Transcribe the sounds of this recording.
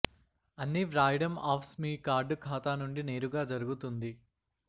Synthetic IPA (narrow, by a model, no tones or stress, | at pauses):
ɐnːiʋɾaːjɖɐmaːpʰsmiːkaːɾɖkʰaːt̪aːnuɳɖine̞ːɾuɡaːd͡ʒɐɾuɡut̪und̪i